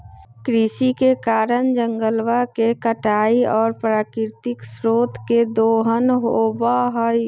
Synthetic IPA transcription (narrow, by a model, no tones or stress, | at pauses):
kɾiːsikekaːɾənd͡ʒəŋɡəlwakekəʈaːiɔːɾpɾaːkɪɾt̪ɪksɾoːt̪ʰked̪oːɦənɦobaɦɔi